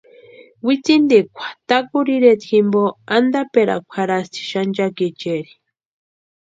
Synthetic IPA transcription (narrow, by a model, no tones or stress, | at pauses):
wit͡sind̪ekʷʰḁt̪akuɾiɾet̪ʰximboand̪apeɾa̰kʷʰaɾast̪ʰi̥ʃand͡ʒaket͡ʃeɾi̥